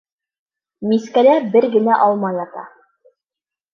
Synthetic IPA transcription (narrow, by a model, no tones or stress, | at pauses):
miskælæbɘɾɡɘ̆næʔɑlˠmɑjlˠɑt̪ɑ̰